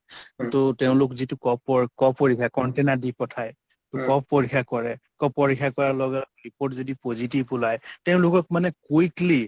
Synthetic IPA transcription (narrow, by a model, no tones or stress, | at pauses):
tʊtɛʊ̃lʊkzitʊkɔpːɔkɔoɹikʰakɔntenadipɔtʰaj | tʊkɔppoɹikʰːakɔɹɛkɔppɔɹikʰːakɔɹaɹlɔɡɛɹipoɹtzodipozitibʊlajtɛʊ̃lʊkɔk̚manɛkojkli